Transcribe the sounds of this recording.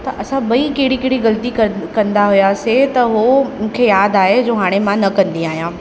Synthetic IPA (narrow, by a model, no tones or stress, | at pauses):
t̪ɐʔɐsãbɐikeːɽikeɽiɣɐlt̪ikɐkɐ̃nd̪aɦʊjaset̪ɐɦomʊ̃ːkʰejaːd̪aːɦed͡ʑoːɦaːɽ̃emãnɐkɐ̃nd̪iaːɦijãː